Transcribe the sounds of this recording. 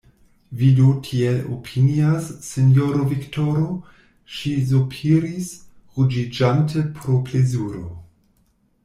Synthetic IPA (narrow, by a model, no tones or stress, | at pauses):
vidotʰielo̰pʰiniasːenjoɾoviktʰoɾo | ʃizopʰiɾis | ɣud͡ʒid͡ʒantʰəpʰɾoplezuɾo̰